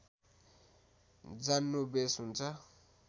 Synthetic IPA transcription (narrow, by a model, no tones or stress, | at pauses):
d͡zanːobesɦunt͡sʰʌ